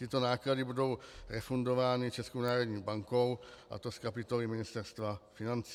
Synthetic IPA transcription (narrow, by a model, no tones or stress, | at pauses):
t̪ɪt̪o̞naːkladɪbudo̞wɾɛfundo̞vaːnɪt͡ʃɛskownaːɾo̞dɲiːbaŋko̞wʔa̰t̪o̞skapɪt̪o̞lɪmɪnɪst̪ɛɾst̪vafɪnant͡si